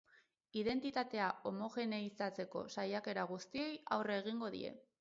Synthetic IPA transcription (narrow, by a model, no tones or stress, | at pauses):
iðe̞nt̪it̪at̪e̞ao̞mo̞xe̞ne̞isat͡se̞ko̞̰sajake̞ɾaɣust̪ie̞ja̰wreːɣ̞iŋɡo̞ðḭe̞̰